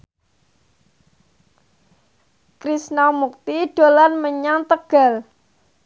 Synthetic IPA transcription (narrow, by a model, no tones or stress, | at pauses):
kɾisnawmuk̚t̪iɖ̥o̤lanməɲaŋt̪əɡ̥a̤l